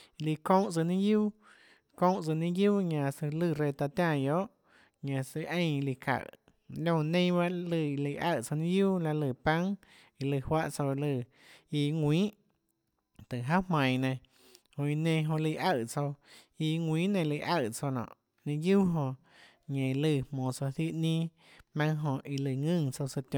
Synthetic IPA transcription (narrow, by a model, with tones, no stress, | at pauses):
li˧kõ˦ʔt͡sɨ˧˨nĩ˦ɡjuː˦ | kõ˧˦ʔt͡sɨ˧˨nĩ˦ɡuː˦ɲã˧sɨ˧lɨ˧˨ɾe˧t̪a˧t̪jã˧˨jo˦ʔ | ɲã˧sɨ˧ʔẽ˦˧j̃li˧kʰa̰˨ | lʲjõ˧˨nẽ˦˧˦ba˦ʔlɨ˧˨i˧li˧˨ʔa̰˧˨ʔt͡so˧nĩ˦ɡjuː˦la˧lɨ˧˨pã˦ŋ | i˧lɨ˧˨hwa˦˧ʔt͡so˧lɨ˧˨ | i˧ŋwĩː˦ʔ | t̪ɨ˨ʔɦa˦hmã˨j̃nẽ˧ | hõ˧i˧nẽ˧ɦõ˧li˧ʔa˧˨t͡so˧ | i˧ŋʷĩː˨˦nẽ˧˨˧li˧˨ʔa˧˨t͡so˧nɔ̰̃ː˨ʔ | nĩ˧ju˦ɦõ˧ | ɲẽ˨lɨ˧˨mõː˨t͡so˧θi˦ʔnĩː˦ | mã˧ŋɦõ˧ʔi˧lɨ˧˨ŋɨ̃˦˧˨ŋt͡so˧sɨ˧t̪jõ˧˨